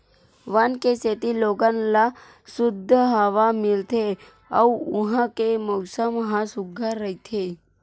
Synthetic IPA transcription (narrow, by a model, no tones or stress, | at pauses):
ʋankeset̪iloɡãnla | sud̪ʱːəɦəʋamilt̪ʰe | a̰uuɦãkeməwsəmɦãsuɡʱaɾəɦit̪ʰe